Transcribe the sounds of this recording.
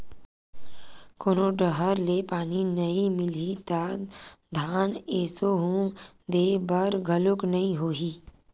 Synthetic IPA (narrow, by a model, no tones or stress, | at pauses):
koːnoɖəɦəɾleːpaːninɐĩmɪlit̪ad̪ʱaːneːsoɦũː | d̪eːbəɾɡʱəlʊknɐɦĩɦoːɦiː